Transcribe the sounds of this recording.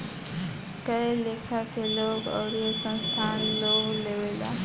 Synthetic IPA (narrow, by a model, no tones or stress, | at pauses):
kəjlekʰakeloːkɔ̰ɾijosə̃nst̪ʰanloɡleʋela̰